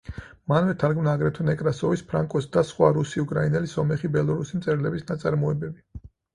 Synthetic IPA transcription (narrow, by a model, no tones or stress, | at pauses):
manvɛt̪ʰaɾɡmnaːɡɾɛt̪ʰɔnɛkʼɾasɔvispʰɾaŋkʼɔsd̪asχwaɾusiukʼɾainɛlisɔmɛχibɛlˠɔɾusimt̪sʼɛɾlɛbisnat̪sʼaɾmɔɛbɛbi